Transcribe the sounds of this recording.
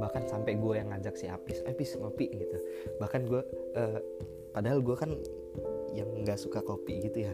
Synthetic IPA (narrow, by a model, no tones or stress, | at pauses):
bahkansampɛɡuajaŋad͡ʒaksia̰pɪsapiskopiʔɡit̪ubahkanɡuaʔəː | padaɦalɡuakan | jaŋɡaʔsukakopḭʔɡit̪uja